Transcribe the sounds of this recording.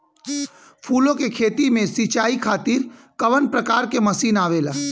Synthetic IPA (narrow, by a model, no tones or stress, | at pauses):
pʰuːlõkekʰeːt̪imẽsit͡ʃaːikʰaːt̪iːɾ | kəʋənpɾəkaːɾkeməsiːnaːʋeːlaː